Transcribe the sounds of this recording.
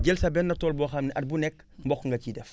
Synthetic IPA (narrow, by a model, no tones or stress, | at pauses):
ɟɛlsɐbɛnːɐtɔːlbɔːxɐmniʔɐt̚bunɛkːmbɔxŋɡɐcidɛf